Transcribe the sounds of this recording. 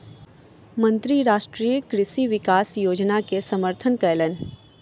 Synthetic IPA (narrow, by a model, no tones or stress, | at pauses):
mə̃nt̪ɾiɾaːʃʈɾijəkɾɪʃiʋɪkaːsjoːd͡ʒnakesɐməɾt̪ʰənkɐjlən